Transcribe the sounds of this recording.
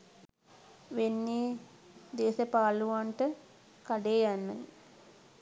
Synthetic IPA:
ʋenːeː | d̪eːsəpaːluʋaɳʈə | kaɖeːjanːə̰

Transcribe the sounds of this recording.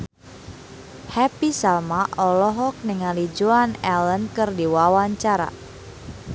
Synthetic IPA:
hɛpisalmaʔɔlɔɦɔk̚nɪŋalid͡ʒuanɛlənkɨrdiwawaɲt͡ʃaɾa̰

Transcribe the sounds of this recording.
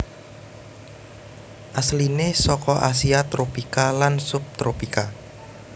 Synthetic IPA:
ʔaslinesɔkɔʔa̰s̬iat̪ɾopikalansʊp̚t̪ɾopika

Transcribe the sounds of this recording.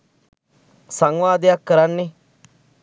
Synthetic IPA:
sɐŋwaːd̪ejakːəɾanːi

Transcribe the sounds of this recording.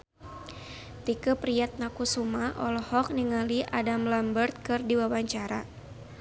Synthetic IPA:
t̪ikəpɾiat̪̚nakusumaʔɔlɔhɔk̚niŋaliʔadamlambərt̪̚kɨrdiwawaɲt͡ʃaɾa

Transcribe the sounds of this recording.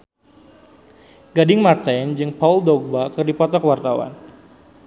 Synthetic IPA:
ɡadɪŋmart̪and͡ʒɨŋpauldɔɡ̚bakɨrdipɔt̪ɔkwart̪awa̰n

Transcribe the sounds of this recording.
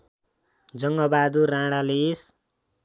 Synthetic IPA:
d͡zʌŋɡʌbad̪uɾãɽales

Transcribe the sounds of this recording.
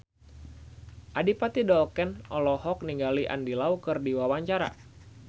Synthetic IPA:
ʔadipat̪idɔlkɛnɔlɔhɔk̚niŋɡaliʔa̰ndilaukɨrdiwawaɲt͡ʃaɾa̰

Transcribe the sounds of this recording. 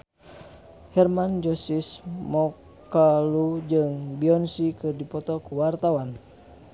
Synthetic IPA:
hɛrmand͡ʒɔsismɔ | kalud͡ʒɨŋbiɔnsikɨrdipɔt̪ɔkuwart̪awan

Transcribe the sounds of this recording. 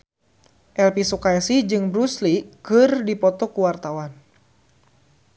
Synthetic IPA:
ʔɛlpisukaɛsid͡ʒɨŋbɾuslikɨrdipɔt̪ɔkuwart̪awan

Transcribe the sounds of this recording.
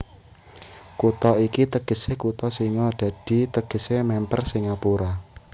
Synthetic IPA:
kut̪ɔikit̪əɡ̥ə̤sekut̪ɔsiŋɔɖ̥ä̤d̥i̤t̪əɡ̥ə̤semɛmpərsiŋapuɾa

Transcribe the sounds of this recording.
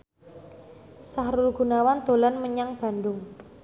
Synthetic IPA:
saɦɾʊlɡ̥ṳnawand̪̥o̤lanməɲaŋb̥a̤ndʊŋ

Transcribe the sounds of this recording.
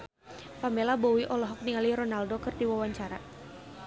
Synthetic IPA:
famelabɔwiʔɔlɔɦɔk̚niŋaliɾɔnaldokɨrdiwawaɲt͡ʃaɾa

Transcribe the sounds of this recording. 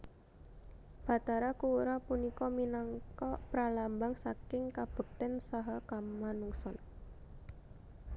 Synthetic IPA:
b̥a̤t̪aɾakuuɾapunikɔminaŋkɔpɾalambaŋsakɪŋkab̥ə̤k̚t̪ɛnsaɦɔkamanuŋsɔn

